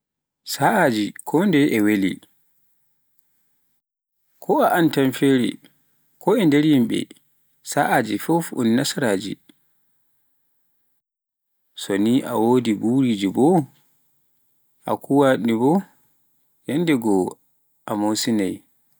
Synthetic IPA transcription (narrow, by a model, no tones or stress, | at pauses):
saʔad͡ʒikʰɔndɛʔɛwelḭ | kʰɔaʔantanfeɾḭ | kʰɔɛndɛɾjimɓɛ̰ | saʔad͡ʒifɔfṵnːasaɾaːd͡ʒḭ | soniʔa̰woːdibuɾid͡ʒibɔ | ʔa̰kʰuwaɗnibɔ | jɛndɛɡɔ | ʔamosinaj